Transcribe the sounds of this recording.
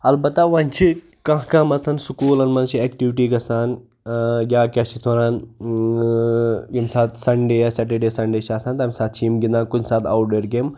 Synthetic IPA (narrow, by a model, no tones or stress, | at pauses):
ɐlbɐt̪ːaʋãnʲt͡ʃʰi | kãɦkamɐsɐnsukuːlɐnmɐ̃nt͡ʃʰiɛkʈiʋʈiːkɐsaːn | ɡʲaːkʲaːt͡ʃʰit̪ʰoɾaːn | jimsaːt̪sɐnɖeasɛʈeɖeːsɐɳɖeːt͡ʃʰiaːsãnt̪aːmʲsaːt̪̚ʰt͡ʃʰiːmɡind̪aːnkudsaːt̪ʰa̰wʈɖeːɾɡeːm